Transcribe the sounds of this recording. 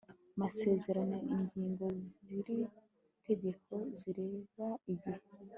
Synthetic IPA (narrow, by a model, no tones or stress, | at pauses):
amase̞ːze̞ɾanoiɲɟiːŋɡo̞ziiɾi | tʰe̞ɟe̞kʰo̞ziɾe̞ːβaiɟihe